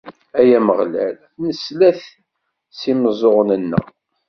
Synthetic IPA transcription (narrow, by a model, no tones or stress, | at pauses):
æjæməʁlæ̰l | nəslæθ | siməzˤoʁnənːə̰ʁ